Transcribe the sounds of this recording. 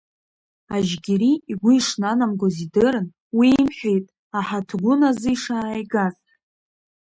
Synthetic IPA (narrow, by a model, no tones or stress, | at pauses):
aʒɡʲiɾiːɡʷʊiʂnanamɡʷozidɨɾɨn | wiːmħʷᶣejtʼ | aħatʰɡʷʊnazɨiʂaːjɡaz